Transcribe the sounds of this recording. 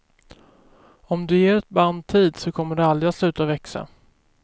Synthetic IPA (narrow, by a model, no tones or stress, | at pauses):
ɔmd̪ɵjeːɾɛt̪̚band̪̚t̪ʰiːd̪sɔkʰɔmːəɖɛald̪ɾɪat̪slʉ̟ːt̪avɛksa̰